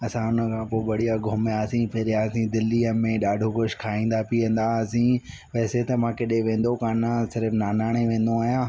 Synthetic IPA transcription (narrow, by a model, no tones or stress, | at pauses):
ɐsãʊnə̆kʰãːpoːʋɐɽijaɡʱʊmjasĩpʰɪɾjaːsĩd̪ɪlːiːəmẽɗaːɖʱoɡʊʃkʰaːĩːnd̪apiːə̃nd̪asĩ | pɛːset̪ɐmãkɪɗeʋẽːn̆d̪okaːnãsɪɾəfnaːnaːɽ̃eʋẽːn̆d̪oaːɦijãː